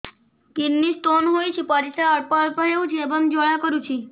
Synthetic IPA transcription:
kinːist̪onɦojt͡ʃʰipɔɾisaɔɾpɔɾpɔɦewt͡ʃʰiebɔmd͡ʒoɭakɔɾut͡ʃʰi

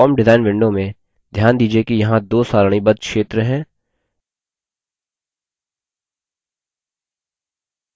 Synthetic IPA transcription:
ɔːmɖɪzaːɪnʋɪ̃ɳɖõmẽ | d̪ʱjaːnd̪iːd͡ʒiekijɐɦãd̪oːsaːɾɽ̃ibɐd̪̚kʃeːt̪ɾəɦɛ̃ː

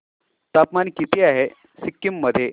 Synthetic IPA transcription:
t̪apmankit̪iːaɦe | sikːimːəd̪ʱje

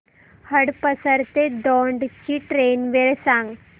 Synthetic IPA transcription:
həɽpəsəɾt̪ed̪ɔɳɖt͡ɕiʈɾenʋeɭsãŋɡ

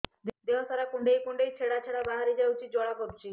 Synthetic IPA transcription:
d̪eɦɔsaɾakuɳɖejkuɳɖejt͡ʃʰeɽat͡ʃʰeɽabaɦaɾed͡ʒawt͡ʃʰid͡ʒɔɽakoɾt͡ʃʰi

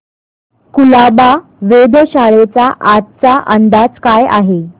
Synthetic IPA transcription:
kulaba | ʋed̪əɕaɭet͡saʔat̪̚t͡saʔənd̪ad͡zkaja̰ɦe

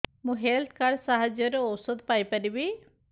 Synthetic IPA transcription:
mũɦelt̪ʰkaɾɖsaɦad͡ʒjɔɾoɔwsɔd̪paːjpəɾibi

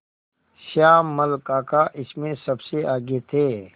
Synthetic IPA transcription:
ʃaːmɐlkaːkaʔɪsmẽsɐbseaːɡet̪ʰeː

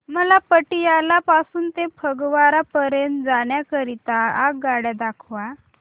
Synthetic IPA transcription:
məlapəʈijalapasuːnt̪ẽpʰəɡʋaɾapəɾend͡zaɽ̃jakəɾit̪aaɡaɽjad̪akʰʋa

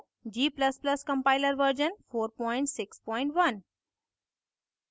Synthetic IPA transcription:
d͡ʒiːpləspləskə̃mpaɪləɾʋəɾd͡ʒənfoːɾpɔɪ̃ɳʈsɪkspɔ̃ːɪ̃ɳʈʋɐn

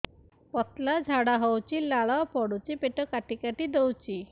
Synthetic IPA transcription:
pɔt̪lad͡ʒʱaɽaɦɔwt͡ʃilaɭɔpɔɽut͡ʃipeʈɔkaʈikaʈid̪ewt͡ʃi

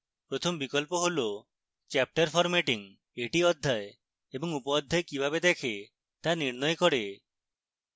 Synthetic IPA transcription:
pɾot̪ʰɔmbikɔlpɔɦolo | t͡ʃap̚ʈaɾpʰɔɾmeʈiŋ | eʈiɔd̪ʱːaj | ebɔŋupɔːd̪ʱːajkibʱabed̪ekʰe | t̪aniɾnɔjkɔɽe

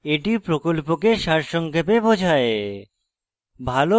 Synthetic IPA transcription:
eʈipɾokolpokeʃaɾʃoŋkʰepebod͡ʑʱae | bʱalo

